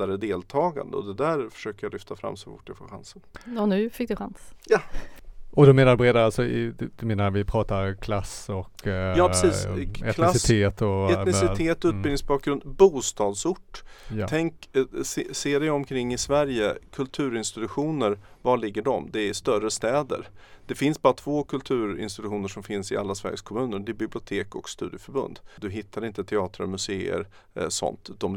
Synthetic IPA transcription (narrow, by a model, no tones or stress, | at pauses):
aɾəd̪eːlt̪ʰɑːɡa̰nd̪ə̰ɔ̰d̪ɛd̪æɾfœ̥ʂøːkəɾjalʏft̪afɾa̰mːsɔfʊ̰ʈːjɛfoːɧa̰nsənɔnʉ̟ːfɪk̚d̪ɵɧansja | ɔd̪ɔmeːnadɵbɾeːd̪aɾalsɔd̪d̪̥ɵmeːnaɾvɪpʰɾɑːt̪aɾkʰlasɔkːjɑːpɾɛsiːsɛtʰlasɪt̪ʰeːt̪ʰɔɛnɪsɪeːt̪ɔʉːt̪̚bɪlnɪŋsbɑːk̚ɡɾɵnd̪buːst̪ɑːd̪sʊʈːtʰɛŋksseːd̪ɛjɔmkʰɾɪŋːɪsvæɾjəkʰɵlt̪ʰʉ̟ːɾɪnst̪ɪt̪ɵɧuːnəɾvaɭɪɡːəɖɔmd̪ɛæʂt̪œɾəst̪ɛːd̪ə̰ɾd̪̥ɛfɪnsbɑːɾat̪ʰv̥oːkʰɵlt̪ʰʉ̟ːɾɪ̰nst̪ɪt̪ɵɧuːnəʂɔmfɪnsɪʔa̰lːasvæ̰ɾjəskʰɔmʉ̟ːnəɾd̪ɛbɪblɪʊt̪ʰeːkɔ̰kst̪ʉ̟ːd̪jəfœɾbɵ̰nd̪d̪ɵɦɪt̪ʰːaɾɪnt̪ət̪ʰɛɑːt̪ɾaɾmɵseːə̰ɾ | sɔ̰nt̪d̪ɔm